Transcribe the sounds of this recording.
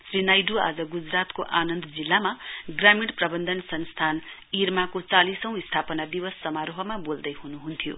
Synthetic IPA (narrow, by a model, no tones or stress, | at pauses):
srinajɖua̰d͡zʌɡud͡zrat̪koʔanʌnd̪d͡zilːamaɡramiɽprʌbʌnd̪ʱʌnsʌnst̪ʰanirmakot͡salisʌ̃w̃ist̪ʰapʌnad̪iwʌsːʌmaɾoɦʌmabold̪ʌjɦunuɦunt̪ʰijo̰